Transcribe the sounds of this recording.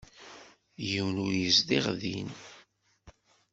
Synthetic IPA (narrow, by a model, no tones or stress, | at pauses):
jəwnujəzd̪iʁðḭn